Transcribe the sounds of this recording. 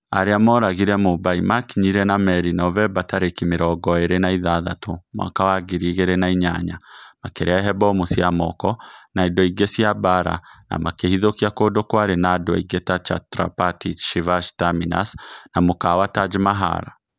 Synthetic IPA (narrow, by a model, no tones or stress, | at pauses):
aɾeamɔɾaɣiɾɛmobaimakiɲiɾɛnamɛɾinɔvɛbataɾekimeɾɔɡɔeɾenaiðaða̰tomwa̰kawaɡiɾiɣeɾenaiɲaɲa̰makeɾɛaɛɦɛbɔmosiamɔkɔnaidɔiɡesiabaɾa̰na̰makehiðokiakodokwaɾenadɔiɡetat͡ʃa̰tɾa̰patiʃivaʃtamina̰snamokawatad͡ʒmaɦa̰ɾa̰